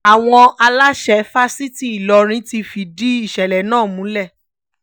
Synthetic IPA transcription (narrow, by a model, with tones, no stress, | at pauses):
a˨w̃ɔ̃˧a˧la˦ʃɛ˧˦fa˦si˦ti˦i˨lɔ˧ɾ̃ĩ˧˦ti˧fi˧di˦i˦˨ʃɛ˨lɛ˨nãː˦˨mũ˨˦lɛ˦˨